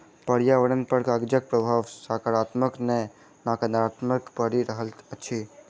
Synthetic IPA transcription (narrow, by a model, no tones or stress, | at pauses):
pəɽjaʋəɽənpəɾkaɡd͡ʒək̚pɾəbʱaːʋsakaɾaːt̪məknɛ | nakənd̪ɾaːt̪məkpəɽiɾəɦələt͡ʃʰi